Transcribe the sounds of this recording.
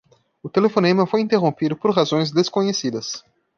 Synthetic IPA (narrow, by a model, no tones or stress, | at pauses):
ʊt̪elefõnẽmɐfojĩnt̪eɦõmpid̪ʊpoɾɦazõj̃zd̪eskõɲesid̪ɐs